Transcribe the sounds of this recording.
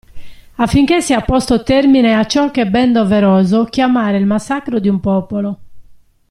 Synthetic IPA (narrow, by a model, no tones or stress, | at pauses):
afːiŋk̟esiapɔst̪ot̪ermineat͡ʃːɔkːebɛnd̪oveɾɔːzok̟jamaːɾeilmasːakɾod̪iumpɔːpolo